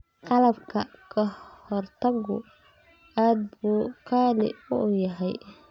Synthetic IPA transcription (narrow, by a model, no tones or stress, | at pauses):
qɑlɐbkʰɐkʰɐhɔrt̪ʰɐɡʊ̰ | aːd̪̚buːkʰaːnɪ̰ʊjɐɦɛj